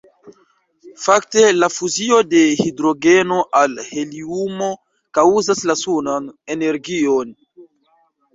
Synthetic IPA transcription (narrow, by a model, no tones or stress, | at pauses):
fakte̞lafuzio̞de̞hidɾo̞ɡe̞no̞ʔalhe̞liumo̞ | kauzaslasunane̞ne̞ɾɡion